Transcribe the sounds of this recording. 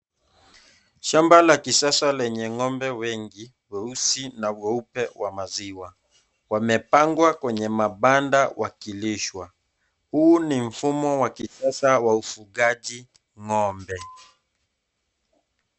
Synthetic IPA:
ʃambalakisasalɛɲɛŋɔmbɛwɛŋɡi | wɛusinavwɛupɛwamaziwa | wamɛpaŋɡwakwɛɲɛmaɓandawʔakiliʃwa | hunim̩fumɔwakisasawaufuɡaʄi | ŋɔmbɛ

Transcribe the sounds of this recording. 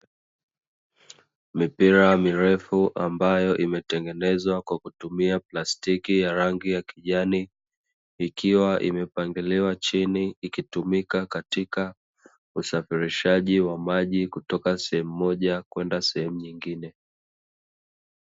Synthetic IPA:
mipiɾamiɾɛfuʔambajɔʔimɛtɛŋɡɛnɛzwakwakutumiaplastikijaɾaŋɡijakiʄaniː | kiwaʔḭmɛpaŋɡiliwat͡ʃiniːkitumikakatika | usafiɾiʃaʄiwamaʄikutɔkasɛhɛmuːɔʄakwɛndasɛhɛmuɲiŋɡinɛ

